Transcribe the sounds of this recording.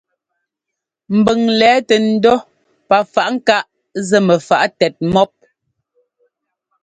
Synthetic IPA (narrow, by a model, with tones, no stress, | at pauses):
m̩˨bə˨ŋlɛː˨˦tɛ˨n̩˦dɔ˦ | pa˨fa˨ʔŋ̩˦ka˦ʔ | zɛ˦mɛ˨fa˨ʔtɛ˨t̚mɔ˦p̚